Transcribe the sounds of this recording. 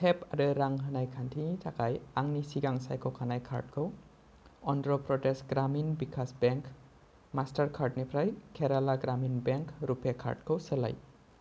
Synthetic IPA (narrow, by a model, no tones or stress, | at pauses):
tʰɛpaɾɯɾaŋɦənajkʰantʰitʰakajaŋnisiɡaŋsa̰jkʰɔwkʰanajkʰa̰ɹt̚kʰɯw | ɔndɾɔpɾɔtɛsɡɾaminbikʰasbɛŋk | mastaɹkʰaɹt̚nipʰɾajkʰɛɾalaɡɾaminbɛŋkʰɾupʰɛkʰa̰ɹt̚kʰɯwsəla̰j